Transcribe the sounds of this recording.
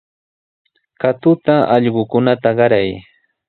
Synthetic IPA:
kat̪ʊt̪aʔɑʎɢʊkʊnat̪aɢɑɾaj

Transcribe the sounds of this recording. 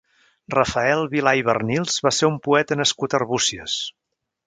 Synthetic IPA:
rəfəɛlˠβilajβərnilˠz̥βaseɾumpuɛt̪ənəskut̪ərβusiə̰s

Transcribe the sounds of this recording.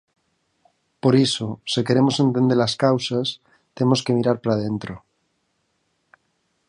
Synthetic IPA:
po̞ɾisoseke̞ɾe̞mo̞sent̪e̞nd̪elaskawsas | t̪e̞mo̞skemiɾaɾpaɾað̞e̞nt̪ɾo

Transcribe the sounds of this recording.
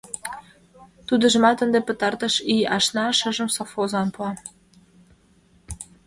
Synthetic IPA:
t̪ud̪ə̆ʒə̆mɑt̪ənd̪epə̆t̪ɑrt̪ə̆ʃiɑʃnɑʃəʒə̆msofozɑnpoɑ

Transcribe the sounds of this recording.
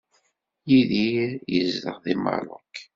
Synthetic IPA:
jiðijəzðə̰ʁðimɑ̰ɾˤʊk

